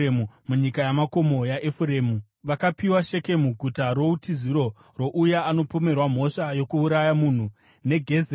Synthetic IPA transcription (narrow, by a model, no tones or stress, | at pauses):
mumuɲikajamako̞mo̞jaʔefuɾeːmu | ʋakapiwaʃe̞ke̞muɡʱutaɾo̞utiziɾo̞ | ro̞ʔujaːno̞pome̞rwam̤o̞ʂajo̞kuːɾajamuːn̤u | ne̞ɡʱe̞z